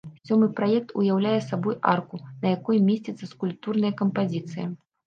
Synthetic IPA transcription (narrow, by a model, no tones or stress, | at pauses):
sʲɔmɨpɾajɛk̚t̪ṵjawlʲajɛsabɔja̰rkunɐjakɔjmʲesʲt͡sʲit̪sːɐskulʲp̚t̪urn̪ɐjɐkɐmpazʲit̪sɨjɐ